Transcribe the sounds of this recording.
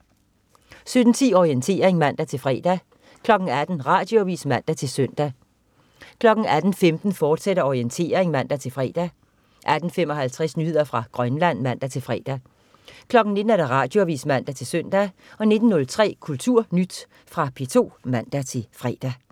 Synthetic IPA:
sød̥n̩t͡sʰiːɒient͡sʰe̝̰ːɐʁeŋmæn̰d̥æt͡sʰe̝lfʁɛ̰ːd̥æ | kʰlɒ̽ɡ̥n̩æd̥n̩ʁɑ̈ːd̥joʋḭːsmæn̰d̥æt͡sʰe̝lsœn̰d̥æ | kʰlɒ̽ɡ̥n̩æd̥n̩femd̥n̩fɒːd̥seɾɐɒʁient͡sʰe̝̰ːɐʁeŋmæn̰d̥æt͡sʰe̝lfʁɛ̰ːd̥æ | ʔæd̥n̩femɒ̽hælt͡sʰʁɛsnyhe̝ð̰ˠɐfʁɑ̈ɡ̥ʁɶnlæn̰mæn̰d̥æt͡sʰe̝lfʁɛ̰ːd̥æ | kʰlɒ̽ɡ̥n̩ne̝d̥n̩æɐ̥ɑ̈ʁɑ̈ːd̥jo̝æʋḭːsmæn̰d̥æt͡sʰe̝lsøn̰d̥æ | ɒ̽ne̝d̥n̩ːɔ̽lt͡sʰʁɛ̰ːkʰult͡sʰuɐ̰nyd̥ | fʁɑ̈pʰe̝t͡sʰo̝̰ːmæn̰d̥æt͡sʰe̝lfʁɛ̰ːd̥æ

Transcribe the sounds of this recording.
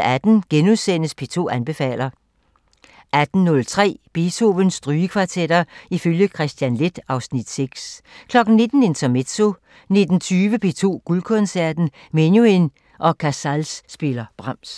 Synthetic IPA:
æd̥n̩ɡ̥enuðˠsen̰əspʰe̝t͡sʰo̝̰ːænb̥e̝fɛ̰ːl̰ɐ | æd̥n̩ːɔ̽lt͡sʰʁɛ̰ːb̥e̝t͡sʰo̝ʋənsd̥ʁyːəkʰʋɑ̈t͡sʰed̥ɐiføljəkʰʁɛsd̥jænle̝d̥ɑ̈ʊsnid̥seɡ̥skʰlɒ̽ɡ̥n̩ːe̝d̥n̩e̝nt͡sʰɐmed̥so̝ | ne̝d̥n̩t͡sʰyːʋəpʰe̝̰ːt͡sʰo̝̰ːɡ̥ulkʰɔ̽nsæɐd̥n̩ | menjuen | ʔɒ̽kʰæsælsːb̥e̝lɐb̥ʁɑ̈m̰s

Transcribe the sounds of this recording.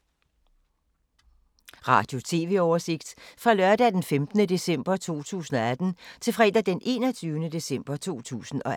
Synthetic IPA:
ʁɑ̰̈ːd̥jo̝t͡sʰe̝ːʋe̝ɒʊɐse̝ɡ̥d̥fʁɑ̈lɶɐd̥ɛd̥enfemd̥nəd̥e̝sem̰b̥ɐt͡sʰo̝̰ːt͡sʰṵːsn̩ɒ̽æd̥n̩t͡sʰe̝lfʁɛ̰ːd̥æd̥enʔe̝̰ːnɒ̽t͡sʰyːʊnəd̥e̝sem̰b̥ɐt͡sʰo̝̰ːt͡sʰṵːsn̩ɒ̽

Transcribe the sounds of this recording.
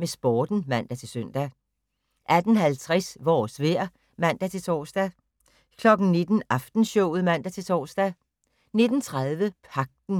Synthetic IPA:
mesb̥ɒːd̥n̩mæn̰d̥æt͡sʰe̝lsœn̰d̥æ | ʔæd̥n̩hælt͡sʰʁɛsʋɒ̰ːsʋeɐ̰ | mæn̰d̥æt͡sʰe̝t͡sʰɒ̰ːsd̥æ | kʰlɒ̽ɡ̥n̩ne̝d̥n̩ɑ̈fd̥n̩ɕɔʊð̩ˠmæn̰d̥æt͡sʰe̝lt͡sʰɒ̰ːsd̥æ | ne̝d̥n̩t͡sʰʁaðˠʋəpʰɑ̈ɡ̥̚d̥n̩

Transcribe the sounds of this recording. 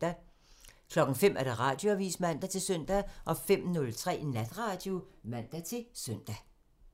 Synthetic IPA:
æ | kʰlɒ̽ɡ̥ŋ̩fem̰ʔæɐɾ̥ɑ̈ʁɑ̰̈ːd̥jo̝æʋḭːsmæn̰d̥æt͡sʰe̝lsœn̰d̥æʔɒ̽fem̰nɔ̽lt͡sʰʁɛ̰ːnæd̥ʁɑ̈ːd̥jomæn̰d̥æt͡sʰe̝lsøn̰d̥æ

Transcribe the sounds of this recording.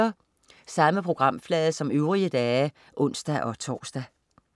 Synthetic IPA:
ɐ | sɑ̈məpʰʁo̝ɡ̥ʁɑ̈m̰flɛːðˠsɒ̽møʊʁiəd̥ɛː | ʔɔ̽n̰sd̥æʔɒ̽t͡sʰɒ̰ːsd̥æ

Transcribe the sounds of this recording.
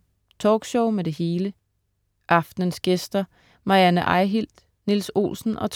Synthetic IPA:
t͡sʰɒːɡ̥ɕɔʊmed̥e̝he̝ːlə | ʔɑ̈fd̥nənsɡ̥esd̥ɐ | mɑ̈jænəʔɑ̈ɪɦil̰d̥ | nilso̝̰ːlsn̩ɒ̽t͡sʰ

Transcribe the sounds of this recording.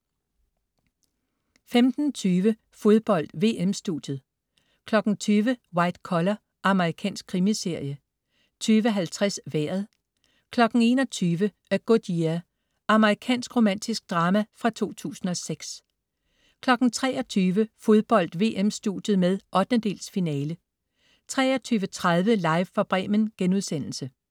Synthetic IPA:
femd̥n̩t͡sʰyːʋə | fo̝ðˠb̥ɒ̽l̰d̥ʋe̝ːemsd̥ud̥jð̩ˠ | kʰlɒ̽ɡ̥n̩t͡sʰyːʋəwɑ̈ɪd̥kʰɒlɐ | ʔɑ̈məʁikʰɛ̰ːnsɡ̥̚kʰʁimise̝ɐ̰jə | t͡sʰyːʋəɦælt͡sʰʁɛsʋæɐ̰ð̞̩ˠ | kʰlɒ̽ɡ̥n̩e̝ːnɒ̽t͡sʰyːʋə | ɡ̥o̝d̥iæ | ɑ̈məʁikʰɛ̰ːnsɡ̥ʁo̝mæn̰d̥isɡ̥̚d̥ʁɑːmæfʁɑ̈t͡sʰo̝̰ːt͡sʰṵːsn̩ɒ̽seɡ̥s | kʰlɒ̽ɡ̥n̩t͡sʰʁɛ̰ːɒ̽t͡sʰyːʋəfo̝ð̞ˠb̥ɒ̽l̰d̥ʋe̝̰ːʔemsd̥ṵd̥jð̩ˠmeð̞ˠʔɒ̽d̥nəd̥e̝̰ːlsfinɛːlə | t͡sʰʁɛ̰ːɒt͡sʰyːʋət͡sʰʁað̞ˠʋəlɑ̈ɪʋfɑ̈b̥ʁɛ̰ːmənɡ̥enuð̞ˠsen̰l̩sə

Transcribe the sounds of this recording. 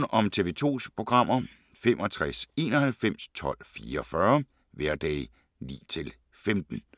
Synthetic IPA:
nʔɒ̽mt͡sʰe̝ʋe̝ːt͡sʰo̝̰ːspʰʁo̝ɡ̥ʁɑ̈m̰ɐ | femʔɒ̽t͡sʰʁase̝̰ːnɒ̽hælfem̰st͡sʰɒ̽l̰fiːɐɒfɶɐ | ʋæɐd̥ɛ̰ː | nḭːt͡sʰe̝l | femd̥n̩

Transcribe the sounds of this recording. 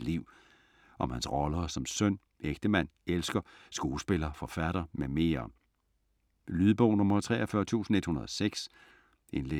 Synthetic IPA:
liʊ̰ | ʔɒ̽mhænsʁɒ̽lɐsɒ̽msœn̰ | eɡ̥̚d̥əmæn̰elsɡ̥ɐsɡ̥o̝ːsb̥e̝lɐfɒ̽fæɾ̥ɐmeme̝̰ːɐ | lyðˠəb̥ɔʊnɔ̽mɐt͡sʰʁɛ̰ːɒfɶɐt͡sʰṵːsn̩e̝d̥hunɐð̞̩ˠɒseɡ̥s | ʔe̝nle

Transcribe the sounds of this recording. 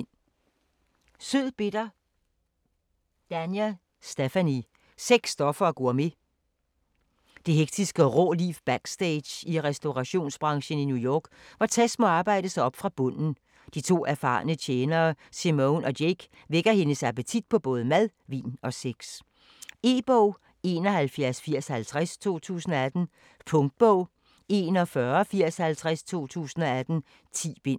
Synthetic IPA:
n | søð̰ˠb̥e̝d̥ɐ | d̥ænjæ | sd̥efæni | seɡ̥sːd̥ɒ̽fɐːɡ̥ɔɐme̝ | d̥e̝ɦeɡ̥̚d̥isɡ̥əʁɔ̰ːlifb̥æɡ̥sd̥eɪ̥jiʁɛsd̥o̝ʁɑ̈ɕo̝̰ːnsb̥ʁɑ̈ŋɕən̩injujɒ̰ːɡ̥ʋɑ̈t͡sʰæsmɒ̽ɑ̈ːb̥ɑ̈ɪ̰d̥əsɑɒ̽b̥fʁɑ̈b̥ɔ̽n̰n̩ | d̥it͡sʰo̝̰ːæɐfɑ̈ːnət͡ɕʰeːnɐːsimoʊnɒ̽deɡ̥ | ʋeɡ̥ɐhe̝nəsæb̥æt͡sʰid̥̚pʰɒ̽b̥ɔ̽ːð̞̩ˠəmæð̞ˠʋḭːnɒ̽seɡ̥s | e̝̰ːb̥ɔʊ̰ | e̝ːnɒ̽ɦælfjæɐsfiɐ̰shælt͡sʰʁast͡sʰo̝̰ːt͡sʰṵːsn̩ɒ̽æd̥n̩ | pʰɔ̽ŋd̥̚b̥ɔʊ̰ | e̝nɒ̽fɶːɐfiɐ̰shælt͡sʰʁast͡sʰo̝̰ːt͡sʰṵːsn̩ɒ̽æd̥n̩ | t͡sʰḭːb̥e̝n̰

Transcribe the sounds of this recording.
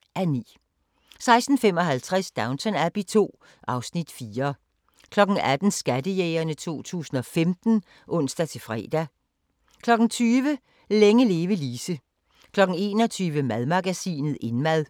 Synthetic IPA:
ʔænḭː | sɑ̈ɪsd̥n̩fem̰ɒ̽ɦælt͡sʰʁasd̥ɑ̈ʊnt͡sʰɒnæb̥it͡sʰo̝̰ː | ʔɑ̈ʊsnid̥fiːɐ | kʰlɒ̽ɡ̥n̩æd̥n̩sɡ̥ædəjeːɐnət͡sʰo̝̰ːt͡sʰṵːsn̩ɒ̽femd̥n̩ | ʔɔ̽n̰sd̥æt͡sʰe̝fʁɛ̰ːd̥æ | kʰlɒ̽ɡ̥n̩t͡sʰyːʋə | leŋəle̝ːʋəliːsə | kʰlɒ̽ɡ̥n̩e̝ːnɒ̽t͡sʰyːʋəmæðˠmɑ̈ɡ̥æsḭːnð̞̩ˠe̝nmæð̞ˠ

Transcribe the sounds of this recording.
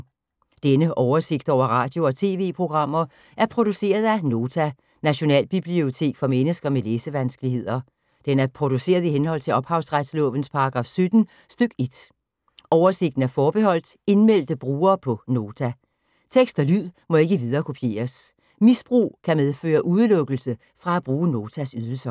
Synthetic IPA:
d̥enəʔɒʊɐse̝ɡ̥d̥ɒ̰ʊ̰ɐʁɑ̰̈ːd̥jo̝ɒ̽t͡sʰe̝ːʋe̝̰ːpʰʁo̝ɡ̥ʁɑ̈m̰ɐ | ʔæɐpʰʁo̝d̥use̝̰ːɐð̞ˠæno̝ːt͡sʰæ | næɕo̝nɛ̰ːlb̥ib̥lio̝t͡sʰe̝̰ːɡ̥fɒ̽menəsɡ̥ɐmeleːsəʋænsɡ̥əlihe̝ð̰ˠɐ | d̥enæɐpʰʁo̝d̥use̝̰ːɐðˠiɦenɦɒ̽l̰t͡sʰe̝ɒ̽b̥hɑ̈ʊsʁad̥slɔ̰̽ːʋən̩spʰɑ̈ɑ̈ɡ̥ʁɑ̈fsød̥n̩ | sd̥øɡ̥e̝d̥ | ʔɒʊɐse̝ɡ̥d̥n̩æɐfɒːb̥ehɒ̽l̰d̥e̝nmel̰d̥əb̥ʁuːɐːpʰɒ̽no̝ːt͡sʰæ | t͡sʰeɡ̥sd̥ɒlyð̰ˠ | mɒ̽e̝ɡ̥əʋið̞ˠɐːkʰopʰje̝̰ːɐs | misb̥ʁṵːkʰæmeð̞ˠfø̰ːɐʔuð̞ˠəlɔ̽ɡ̥l̩sə | fʁɑ̈æb̥ʁuːəno̝ːt͡sʰæsyð̞ˠl̩sɐ

